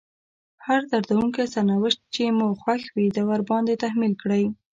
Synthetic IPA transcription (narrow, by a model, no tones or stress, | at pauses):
haɾd̪aɾd̪awuŋkesaɾnawɪʃt̪̚t͡ʃemuxwaxwid̪awaɾbɑnd̪et̪ahmilkɽəj